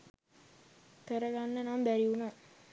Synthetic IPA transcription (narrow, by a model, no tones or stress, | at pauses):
kəɾəɡanːənambæɾiuna